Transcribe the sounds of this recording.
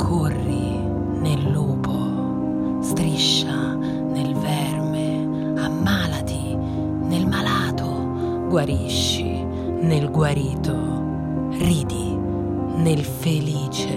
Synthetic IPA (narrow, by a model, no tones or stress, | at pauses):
kʰorːi | nelːuːpo | st̪ɾiʃːa | nelvɛrme | amːaːlat̪i | nelmalaːt̪o | ɡwaɾiʃːḭ | nelɡwaɾiːt̪o | riːd̪i | nelfeliːt͡ʃe